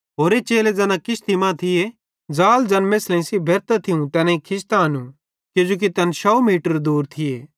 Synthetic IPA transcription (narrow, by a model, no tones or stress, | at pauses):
ɦoːɾet͡ʃeːled͡zɐnãkɪst̪imãt̪ʰɪje | d͡zaːld͡ʒɐnmeːslẽsibʱɛɾt̪at̪ʰiũt̪ɛnẽikʰɪst̪aɐnũ | kjʊd͡ʒoːk̬it̪ɐnʃɔumiːʈəɾd̪uːɾt̪ʰɪjḛː